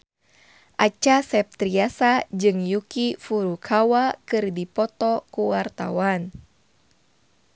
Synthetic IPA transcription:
ʔat͡ʃasɛp̚t̪ɾiasad͡ʒɨŋjukifuɾukʰawakɨrdipɔt̪ɔkuwart̪a̰wan

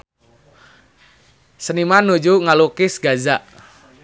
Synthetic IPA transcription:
sənimanud͡ʒuŋalukɪsɡazaʔ

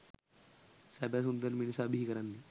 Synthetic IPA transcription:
sɛːbɛːs̬ʊnd̪əɾmɪnsaːbiiːkəɾand̪iː

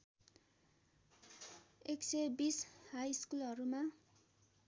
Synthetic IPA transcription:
eksebishajskulʌɾuma

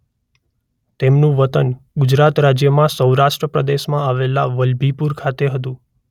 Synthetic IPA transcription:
t̪emnũʋət̪ənɡʊd͡ʒɾat̪ɾad͡ʒjəmãsəwɾaʃʈɾəpɾəd̪eʃmãaʋelaʋəlbʱipuɾkʰat̪eɦət̪̬ũ

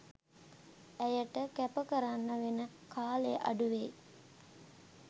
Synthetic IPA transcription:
æjəʈəkæpəkəɾanːəʋenə | kaːleʔa̰ɖuʋeː

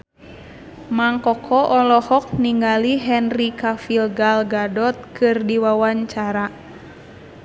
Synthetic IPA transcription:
maŋkɔkʰɔʔɔlɔhɔk̚niŋɡaliɦɛnrikafilɡalɡadɔt̪̚kʰɨrdiwawaɲt͡ʃaɾa

